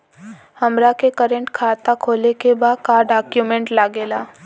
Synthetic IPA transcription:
hɐmɾakekəɾə̃ɳʈkʰaːt̪akʰoːlekebaːd̪̚kaːɾɖaːkjumẽɳʈlaːɡeːlaː

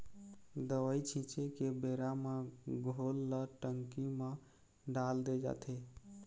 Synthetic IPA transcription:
d̪əʋəjt͡ʃʰĩt͡ʃʰekebeɾameɡʱolːəʈəŋkimẽ | ɖald̪ed͡ʒa̰t̪ʰe

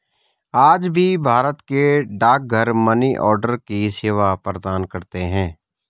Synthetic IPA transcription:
aːd͡ʒbʱibʱaːɾət̪keɖaːk̚ɡʱəɾməniʔɔːɾɖəɾkiseːʋapɾəd̪aːnkɐɾt̪eɦɛ̃ː

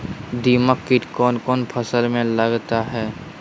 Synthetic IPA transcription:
d̪iːməkːɪʈkɔːnkɔːnpʰəsəlmẽləɡt̪aɦɛː

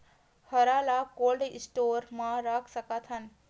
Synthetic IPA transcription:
həɾalakoːlɖɪsʈoɾmãɾakʰsəkat̪ʰɦən

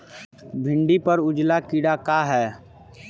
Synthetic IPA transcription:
bʱɪ̃ɳɖipɐɾʊd͡ʒlakiɽakaːɦɛː

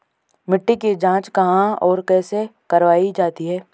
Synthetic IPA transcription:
mɪʈːikid͡ʒãːt͡ʃkɐɦãɔːɾkɛːsekɐɾʋaːid͡ʒaːt̪iɦɛː

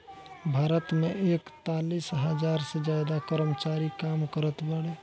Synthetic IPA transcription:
bʱaɾət̪meekt̪alisɦəd͡ʒaɾsed͡ʒjad̪akəɾəmət͡ʃaɾikamkəɾət̪baɽe

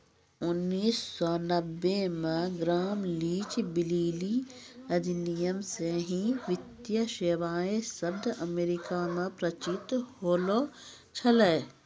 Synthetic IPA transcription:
ʊnːiːsːɔnɐbːemẽɡɾaːmliːt͡ʃbɪliːli | ɐd̪ʱɪnijəmseɦĩʋɪt̪jəʃeːʋaːesɐbd̪ɐmeːɾɪkamẽpɾɐt͡ʃɪt̪hoːlo | t͡ʃʰɐleː

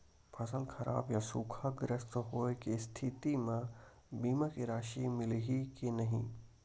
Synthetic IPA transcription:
pʰɐsəlkʰɐɾa̰ːbjasuːkʰaɡɾəst̪ɦoːekist̪ʰɪt̪imã | biːmakiɾaːʃimɪlɦikinɐɦḭ̃

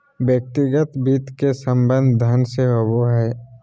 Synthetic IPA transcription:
bjək̚t̪iɡət̪biːt̪kesəmbə̃nd̪ʱd̪ʱənd̪ʱseɦoboɦɛː

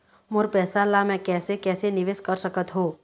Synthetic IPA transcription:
mʊɾpɛːsalamɛ̃kɛːsekɛːsenɪʋeːskəɾsəkət̪ɦoː

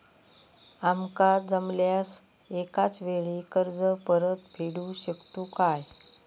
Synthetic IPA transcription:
amkad͡zəmljasekat͡sʋeɭiːkəɾd͡zəpəɾət̪pʰeɽuːɕəkt̪uːkaj

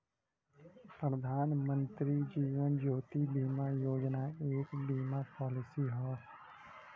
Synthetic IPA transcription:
pɾəd̪ʱaːnmə̃nt̪ɾid͡ʒiːʋənd͡ʒoːt̪ibiːmaːjoːd͡ʒnaːeːkbiːmapɔːlɪsiɦɔː

